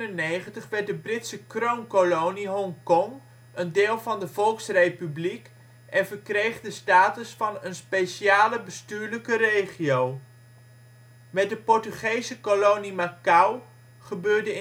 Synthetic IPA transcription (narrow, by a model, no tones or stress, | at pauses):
nənejχəntəχʋɛɹt̚dəbrɪtsəkrownkolowniɦɔŋkɔŋ | əndeːlˠvɑndəvɔlˠksrejpyblik | ʔɛnvəɹkrejχdəstaːtəsfɑnənspejʃjaːləbəstyːɹləkərejχiow | mɛt̚dəpɔɹtyχejsəkolownimakaw | χəbøːɹdə